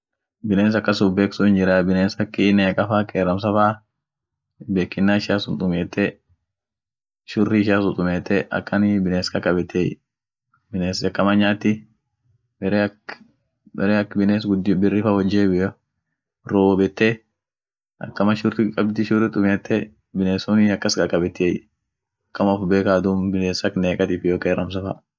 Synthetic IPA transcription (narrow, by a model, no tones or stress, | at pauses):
bɪneːns̬ɐkːɐsʊbeːksuɪnd͡ʒɪɾabɪneːnsɐkːɪneɐkʼɐfaːkʼeːɾɐms̬ɐfaː | beːkːɪnːaːɪʃaːsʊnt̪ʼʊmeːt̪ːɛ | ʃʊrːɪɪʃaːsʊt̪ʼʊmeːt̪ːɛʔɐ̰kːɐnbɪneːskɐkːɐbɛt̪ʰːḛ | bɪneːsɐkːɐmɐɲaːt̪ɪ | bɛɾ | ɛɾeɐkːbɪneːsɡʊd̪bɪrːɪfɐwɐd͡ʒːeb | ɾoːwɔbɛt̪ːe | ʔɐ̰kːɐmɐʃʊɾɪkʼɐbd̪ɪʃʊrɪt̪ʼʊmeːt̪ːɛ | bɪneːsɔnɪɐkːɐskʼɐkʼɐbɛt̪ːej | ɐkːɐmafʊbeːkaːd̪umbɪneːsɐkneːkʼɐt̪iːfjoːkʼeːɾɐms̬ɐfɐ̰